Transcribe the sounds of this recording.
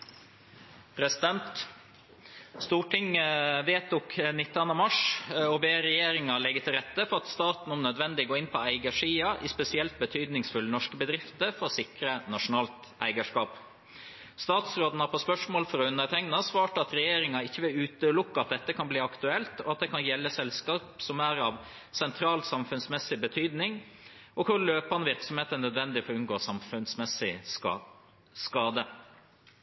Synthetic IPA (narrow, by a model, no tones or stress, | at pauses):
pʰɾɛsɪd̪ɛnt̪ | st̪uːʈɪŋʋeːt̪ʊknɪt̪ːɑnɑmɑʂɔbeːɾɛjeːɾɪŋɑlɛɡːət̪ʰɪlɾɛt̪ːəfɔɾɑt̪st̪ɑːt̪n̩ɔmnœd̪ʋɛnd̪ɪɡoːɪnpʰɔæɪɡəʂiːɑʔɪspɛsɪɛlt̪̚bət̪ʰyːd̪nɪŋsfʉlːənɔʂkəbəd̪ɾɪft̪əɾfɔɾsɪkɾənɑʂʊnɑːlt̪ʔæ̰ɪɡəʂkɑːp | st̪ɑːt̪sɾoːd̪n̩ɑpʰɔspœʂmoːlfɔɾɔʉnəɾt̪ʰæŋnɑsʋɑːʈəɑt̪ɾɛjeːɾɪŋɑɪçːəʋɪlʉːt̪əlʊkːɑɑt̪̚d̪ɛt̪ːəkʰɑnbliːɑkt̪ʉɛlt̪ɔɑt̪̚d̪ɛːkʰɑnjɛlːəsɛlskɑːpsɔmæɾɑʋ | sɛnt̪ʰɾɑːlsɑmfʉnsmɛsːɪbət̪ʰyːd̪nɪŋ | ɔkʰʊɾløːpɑnʋɪɾksɔmheːt̪ənœd̪ʋɛnd̪ɪfɔʉnɡoːsɑmfʉnsmɛsɪ | skɑːd̪ə